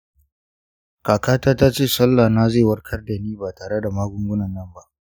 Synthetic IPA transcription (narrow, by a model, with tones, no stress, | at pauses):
kaː˨kaː˦taː˦ta˦t͡ʃeː˦˨sɐ˦lːa˨naː˦zeː˦˨wɐ˦rkʰɐ˦rda˨niː˦baː˨taː˨ɽe˦da˨maː˦ɡʷʊ˦ŋɡʷʊ˦nɐ˨nːɐ˦mba˦ʔ